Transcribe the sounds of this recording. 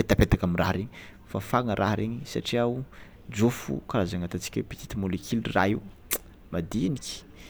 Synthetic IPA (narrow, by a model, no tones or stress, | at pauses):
pet̪apet̪akamirʔa̰ɦɾeɲi | fafaŋəɾʔaɦɾeɲisa̰ʈ͡ʂiau | d͡ʒofṵkaɾazaŋat̪at͡si̥kʲapit̪i̥t̪imolekʰilra̰ɦi | mad̪iniki̥